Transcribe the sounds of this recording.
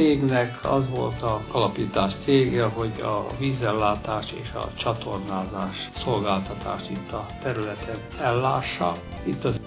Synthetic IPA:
eːɡnɛkʰɒ̰zʋo̞̰lt̪ɒɒlɒpiːt̪aːʃt̪seːɡɛɦo̞ɟɒ̰ʋiːzɛlːaːt̪aːʃḛːʃɒ̰t͡ʃɒt̪ʰo̞rnaːzaːʃso̞lɡaːlt̪ɒt̪a̰ːʃt̪it̪ːɒt̪ɛɾylɛt̪ʰɛnɛlːaːʃːɒ̰ | it̪ːɒz

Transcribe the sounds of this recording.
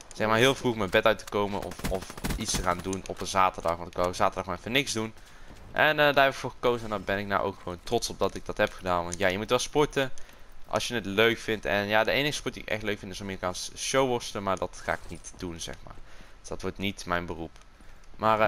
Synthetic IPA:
z̥ɛxmaːɹɦɪːlˠvruχmənbɛtœɥtə̥kowmənʔɔ̰fɔfitstəχaːndunɔpənzaːtəɹdɑχʋɑntɪkkz̥aːtəɹdɑχnɛfənɪkzdun | ʔɛnədaːɹɦɛpɪkfʊːɹχəkowzəndabɛnɪk̚na̰wʔo̰wkχəʋowntrɔtsɔb̚dɑtɪɡ̚dɑtɦɛpχədaːnʋɑntjaːjəmutʋɛlˠspɔɹtəʔɑ̰lˠsjənətløɥkfɪntɛ̰njaːdəejnəɣəspɔɹt̚diːɪkɛ̰χtløɥkfɪntɪsaːmiːrikaːnsʃowʋɔɹstələmaːɹdɑtχa̰ːɪknitd̥unzɛ̰xma̰ːɹsd̥ɑtʋɔɹtnitmɛjnbərup | maːr

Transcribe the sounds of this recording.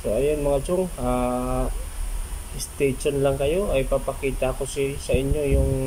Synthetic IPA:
soʔɐjonmɐŋad͡ʒoŋa | ɪst̪eʃonlɐŋkɐjo̞ʔɐjpapɐkiːt̪aːko̞sisɐʔɪɲjo̞jʊŋ

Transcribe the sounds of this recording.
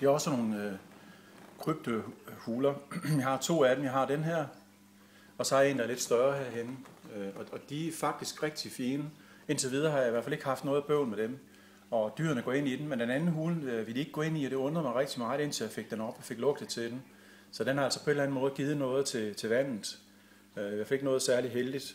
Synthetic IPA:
d̥eæɒ̽səno̝ːn̩ | kʰʁyb̥̚d̥ohuːlɐjɑɦɑ̈t͡sʰo̝̰ːæd̥emjɑ̈ɪɦɑ̈d̥enɦæɐ̰ | ɒ̽sɒ̽æɐe̝̰ːnd̥ɑæɐled̥sd̥ɶɐɦæɐ̰ɦenəøɒ̽ɒ̽d̥iæfɑ̈ɡ̥d̥isɡ̥ʁɛɡ̥̚d̥ifiːnə | e̝n̰t͡sʰe̝ʋið̞ˠɐhɑ̈jɑiʋæɐ̰fæleɡ̥hɑ̈fd̥nɔ̽ːð̩ˠb̥øʊnmed̥em | ɒ̽d̥y̰ːɐnəɡɔ̰̽e̝n̰id̥emmend̥enænn̩ɦuːlʋe̝ld̥ie̝ɡ̥̚ɡɔ̽e̝n̰iɒɾ̥e̝ɔ̽nd̥ʁɐmɑʁɛɡ̥̚d̥imɑ̈ːð̩ˠe̝n̰t͡sʰejafe̝ɡ̥̚d̥enɒ̽b̥ɒfe̝ɡ̥lɔ̽ɡ̥d̥et͡sʰe̝d̥em | sɒ̽d̥enhɑ̈ælsɒ̽pʰɒ̽e̝dlæn̩mɔ̽ːð̞̩ˠɡ̥iːð̞̩ˠnɔ̽ːð̞̩ˠt͡sʰe̝t͡sʰe̝ʋæn̰ð̩ˠ | jɑfeɡ̥nɔ̽ːð̞̩ˠsæɐliɦeld̥id̥

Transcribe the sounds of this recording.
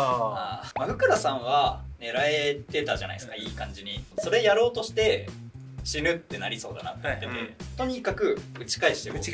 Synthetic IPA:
aːmaɡɯ̟kɯ̟ɾasãɰ̃βane̞ɾae̞t̪e̞t̪aʑa̰na̰isɨ̥kaiːkãɲ̟d͡ʑiɲ̟iso̞ɾe̞jaɾo̞ːt̪o̞ɕi̥t̪e̞ | ɕinɯ̟t̪ːe̞naɾʲiso̞ːd̪a̰nat̪ːet̪ːet̪o̞ɲ̟ikakɯ̟ɯ̟t͡ɕi̥kaiɕi̥t̪ek

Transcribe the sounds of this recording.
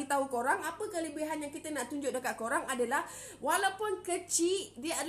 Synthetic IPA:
it̪aukoɾaŋapəkələbiɦanjaŋkit̪ənaʔt̪uɲd͡ʒʊʔ̚dəkat̪̚koɾaŋadalah | walawpʊnkət͡ʃidiəa

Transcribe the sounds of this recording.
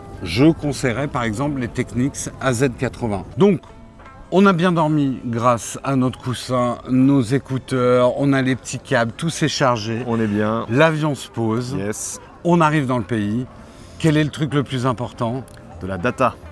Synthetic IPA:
ʒəkɔ̃sɛjʁɛpaʁɛɡzɑ̃pllet̪ɛkniksazɛd̪kat̪χəvɛ̃d̪ɔ̃k | ɔ̃nabjɛ̃d̪ɔʁmiɡʁasanɔt̪χə̥kusɛ̃nozekut̪œʁɔ̰̃nalepət̪ʰikʲabt̪usɛʃaʁʒeɔ̃nɛbjɛ̃lavjɔ̃sə̥pozjɛs | ɔ̃naʁivd̪ɑ̃ləpei | kʲɛlɛlət̪χykləplyzɛ̃pɔʁt̪ɑ̃ | d̪̥əlad̪at̪a

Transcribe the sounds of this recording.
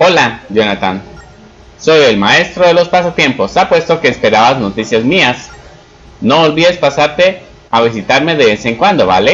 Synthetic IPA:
o̞laʝonat̪an | so̞je̞lmae̞st̪ɾoð̞e̞lo̞spasat̪je̞mpo̞sapwe̞st̪o̞ke̞ːspe̞ɾaβazno̞t̪isjazmias | no̞ːlβiðe̞spasaɾt̪e̞ | aβis̬it̪aɾme̞ðe̞βeseŋkwand̪o̞βa̰le

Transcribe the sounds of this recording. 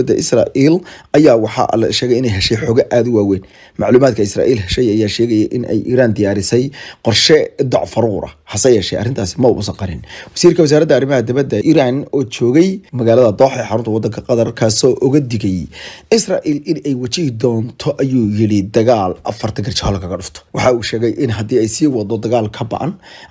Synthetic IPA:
d̪ɐʔɪsra̰ːʔiːlɐjaːwɑħɑ̰lɐ̰ʃɛːɣɛjɪnɛjɦɛʃɛjħɔːɣɛʔaːd̪ʊwaːwɛːn | mɑʕluːmaːd̪kʰɐɪsra̰ːʔiːlɦɛʃɛjɐjaːʃɛːɣɛjɐʔɪnʔɛ̰jʔḭːɾaːnd̪ɪjaːɾɪsɛjqɔrʃɛd̪ɑʕfɐɾuːɾɐ̰hɐsɐjɛːʃɛjʔɐ̰rːɪnt̪ʰaːsɪmɐʊʔʊsɐqɑɾɪnwɐsiːrkʰɐwɐs̬aːɾɐd̪ɐɐrɪmɐɦɐd̪ɪβɐd̪ɐʔiːɾaːnɔːt͡ʃɔːɣɛjmɐɣaːlɐðɐd̪ɔːħɛːħɑɾʊnt̪ʰɐwɑd̪ːɐŋkʰɐqɑðɐrkʰaːsɔːʔʊɣɐd̪ɪɣɛjɪsra̰ːʔiːlɪnɛjwɐt͡ʃɪd̪ɔːnt̪ʰɔʔɐjuːjɪɽid̪ɐɣaːlʔɐ̰fɐrt̪ʰɐɡɐrt͡ʃɐhɐlkʰɐɣɐɖʊft̪ʰɔ̥wɑħɑuːʃɛːɣɛjʔɪnɦɐd̪iːɛjsiːwɑd̪ɔd̪ɐɣaːlkʰɐbɐ̰ʔɐ̰n

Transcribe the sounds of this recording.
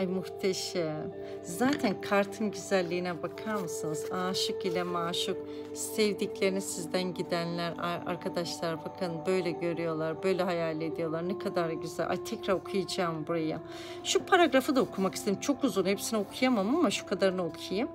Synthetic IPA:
ajmuxt̪ʰeʃɛ | zaːt̪ʰænkʰaɾt̪ʰɯmɟyzælʲːiːnɛbakʰaɾmɯsɯnɯzaːʃɯkilʲɛmaːʃɯk | sevd̪iclʲeɾinisizd̪ænɟid̪ænlʲæɾa̰a̰ɾkʰad̪aʃlˠaɾbakʰɯnbø̞jlʲɛɟø̞ɾyjo̞lˠaɾbø̞jlʲɛɦajaːlʲied̪ijo̞lˠaɾnɛkʰad̪aɾɟyzæ̰lʔa̰jt̪ʰɛcɾaɾokʰujad͡ʒaːmbuɾaja | ʃupʰaɾaɡɾafɯd̪aokʰumakist̪eimt͡ʃʰo̞kuzunhepsinokʰujamamɯamaʃu̥kʰad̪aɾɯnaokʰajɯm

